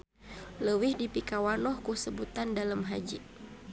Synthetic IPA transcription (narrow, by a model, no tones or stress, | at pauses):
ləwihdipikawanɔhkusəbut̪andaləmɦa̰d͡ʒḭ